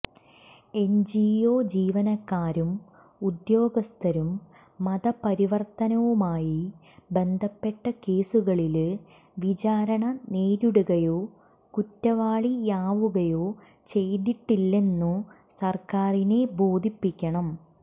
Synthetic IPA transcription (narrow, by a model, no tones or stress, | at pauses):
e̞nd͡ʑioːd͡ʑiːʋɐnɐkːaːɾum | ud̪jo̞ːɡɐst̪ʰɐɾumː | ɐd̪ɐpɐɾiʋɐrt̪ɐnɐʋumaːji | be̞nd̪ʱɐpːe̞ʈːɐke̞ːsuɣɐɭil | ʋit͡ɕaːɾɐɳɐneːɾuɽuɣɐjo̞ː | kutːɐʋaːɭijaːʋuɣɐjo̞ː | t͡ɕe̞jd̪iʈːilːe̞nːu | sɐrkaːrine̞bo̞ːd̪ʱipːikʲːɐɳɐm